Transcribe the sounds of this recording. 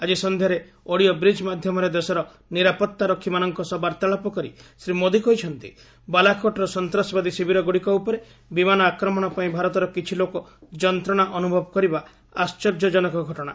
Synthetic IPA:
ad͡ʒisɔnd̪ʱjɔɾe | oɽijɔbɾid͡ʒmad̪ʱjɔmɔɾed̪esɔɾɔ | niɾapɔt̪ːaɾɔkʰːimanɔŋkɔsɔbaɾt̪aɭɔpɔkɔɾḭsɾimod̪ikɔjt͡ʃʰɔnt̪ḭ | balakʰoʈɔɾɔsɔnt̪ɾɔsbad̪isibʱiɾɔɡoɽikɔupɔɾe | bimanɔakɾɔmɔɽ̃ɔpaĩbʱaɾɔt̪ɔɾɔkit͡ʃʰilokɔd͡ʒɔnt̪ɾɔɽ̃aʔɔnubʱɔbɔkɔɾiba | ast͡ʃɔɾd͡ʒɔd͡ʒɔnɔkɔɡʱɔʈɔɽ̃a

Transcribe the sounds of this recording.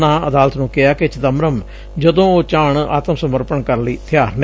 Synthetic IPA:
nãːəd̪aːlət̪nũːkɪaːkɪt͡ʃəd̪əmɾəm | d͡ʒəd̪õːoːt͡ʃãːɳa̰ːt̪əmsəməɾpəɳkəɾliːt̪ʰɪjaːɾn

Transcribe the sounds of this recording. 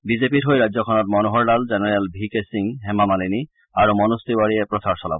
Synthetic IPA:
bizepitɦojɹajdzɔkʰɔnɔt̚mɔnuɦɔɹlalzɛnɛɹɛlbʱikesiŋɦɛmamalini | aɹumɔnust̪iwaɹijɛpɹɔsaɹsɔla̰bɔ

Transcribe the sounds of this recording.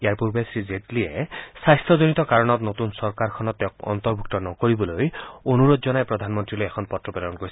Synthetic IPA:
eaɹpuɹbesizetliesajst̪ɔzonit̪ɔkaɹɔnɔt̪not̪unsɔɹkaɾkʰɔnɔt̪ːɛkɔ̰nt̪ɔɹbʱuk̚t̪ɔnɔkoɹibɔlojonuɾod̪zɔnajpɾɔd̪ʱanmɔnt̪ɹilojekʰɔnpɔtɹɔpedɔnkoɾisʰ

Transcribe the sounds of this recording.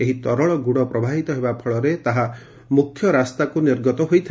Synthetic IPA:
eɦit̪ɔɾɔɭɔɡuɽɔpɾɔbʱaɦit̪ɔɦebapʰɔɭɔɾet̪aɦa | mukʰːjɔɾast̪akuniɾɡɔt̪ɔɦojt̪ʰi

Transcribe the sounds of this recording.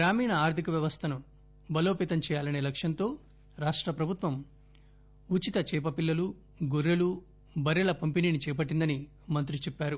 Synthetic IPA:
ɡɾaːmiːɳɐaːɾt̪ikɐʋjɐʋɐst̪ʰɐnu | bɐloːpiːt̪ɐmt͡ʃɛːjaːlɐne̞ːlɐkʂjɐnt̪o̞ː | ɾaːʂʈɾɐpɾɐbʱut̪ʋɐm | ut͡ʃit̪ɐt͡ʃɛːpɐpilːɐlu | ɡoɾːelu | bɐɾjɐlɐpɐmpiniːnit͡ʃɛːpɐʈːind̪ɐni | mɐnt̪̬ɾit͡ʃɛpːaːɾu

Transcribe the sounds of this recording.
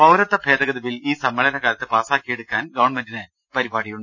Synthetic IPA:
pɐwɾɐt̪ːɐbʱeːd̪ɐɣɐðɐʋiliːsɐmːeɭɐnɐkaːɾɐt̪ːɨpaːsaːkːije̞ɽukːaːnɡɐʋɐɳmendinɨ | pɐɾibaːɽijuɳɖ

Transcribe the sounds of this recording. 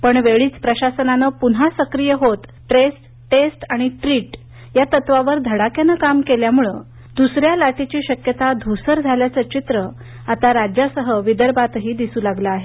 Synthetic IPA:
pəɳʋeɭiːt͡spɾəɕasənanəpunɦasəkɾijəɦot̪ | ʈɾesʈ | ʈesʈaɽ̃iʈɾiːʈ | jat̪ət̪ʋaʋəɾd̪ʱəɽakjanəkamkeljamuɭə | d̪usɾjalaʈit͡ɕiːɕəkjət̪ad̪ʱusəɾd͡zʱaljat͡sət͡ɕit̪ɾə | at̪aɾad͡ʑjasəɦəʋid̪əɾbat̪ɦiːd̪isuːlaɡlaːɦe

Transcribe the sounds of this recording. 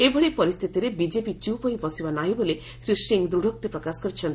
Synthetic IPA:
ebʱɔɭipɔɾist̪ʰit̪iɾebid͡ʒepit͡ʃiwpɔĩbɔsibanaɦĩbole | sɾisiŋd̪ɾuɽʱɔk̚t̪ipɾɔkasɔ̥kɔɾit͡ʃʰɔnt̪

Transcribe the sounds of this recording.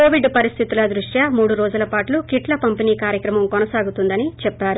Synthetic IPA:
koːʋiɖpɐɾist̪ʰit̪ulɐd̪ɾuʂjɐmuːɽuɾoːd͡ʒulɐpaːʈlukiʈlɐpɐmpiniːkaːɾjɐkɾɐmɐmkonɐsaːɡut̪und̪ɐnit͡ʃɛpːaːɾu

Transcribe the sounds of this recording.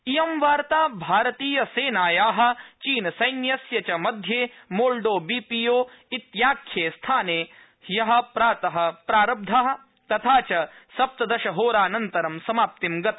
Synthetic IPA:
ijɐmʋaːɾt̪aːbʱaːɾɐt̪iːjɐseːnaːjaːɦɐ̆t͡ʃiːnɐsɐjnjɐsjɐt͡ʃɐmɐd̪ʱjeːmoːɭɖoːbiːpijoː | it̪jaːkʰjeːst̪ʰaːneː | jɐɦɐ̆pɾaːt̪ɐɦɐ̆pɾaːɾɐb̚d̪ʱaɦɐ̆ | t̪ɐt̪ʰaːt͡ʃɐsɐp̚t̪ɐd̪ɐʃɐɦoːɾaːnɐnt̪ɐɾɐmsɐmaːp̚t̪imɡɐt̪ɐ

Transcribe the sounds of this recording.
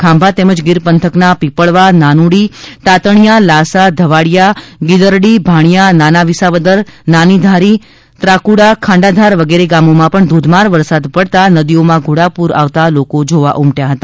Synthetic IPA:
kʰãmbʱat̪eməd͡ʒɡɪɾpənt̪ʰəknapipəɭʋananuɽit̪at̪əɳjalasad̪ʱəʋaɽjaɡid̪əɾɽibʱaɳ̃jananaʋisaʋəd̪əɾnanid̪ʱaɾi | t̪ɾakuɽakʰãɳɖad̪ʱaɾʋəɡeɾeɡamomãpəɳd̪ʱud̪ʱmaɾʋəɾsad̪pəɽt̪anəd̪iomãɡʱuɽapuɾa̰ʋt̪alokod͡ʒoʋa̰ʔumʈjaɦət̪a

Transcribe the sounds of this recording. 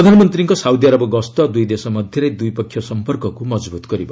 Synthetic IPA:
ʌd̪ʱanmʌnt̪riŋkosawd̪jaɾʌbʌɡʌst̪ʌd̪ujd̪esʌmʌd̪ʱjeɾʌjd̪ujpʌkʰjʌsʌmpʌrkʌkumʌd͡zbut̪ɡʌɾibʱʌ

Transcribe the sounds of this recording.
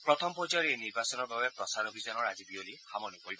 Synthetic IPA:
pɹɔt̪ʰɔmpɔzɔɹieniɹbasɔnɔɹbabɛpɹɔsaɹobʱizɔnɔɹazibiolixamɔnupoɹibɔ

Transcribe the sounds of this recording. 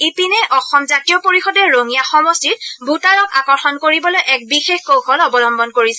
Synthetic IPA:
ipinɛʔɔxɔmzatijɔpoɹixɔdɛɹoŋijaxɔmɔstitbʱutaɹɔka̰kɔɹxɔnkoɹibɔlojʔɛk̚bixexkowxʰɔlɔbɔlɔmbɔnkoɹisɛ

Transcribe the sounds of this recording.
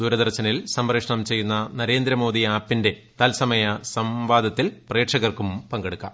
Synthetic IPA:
d̪uːɾɐd̪ɐrɕɐnilsɐmrɐkʂɐɳɐmt͡ɕe̞jːunːɐnɐɾe̞ːnd̪ɾɐmo̞ːd̪iaːpːinde̞ | t̪ɐlsɐmɐjɐsɐmʋaːd̪ʱɐt̪ːilpreːʈʂɐɣɐrkumpɐŋɡeɽukːa̰ːm

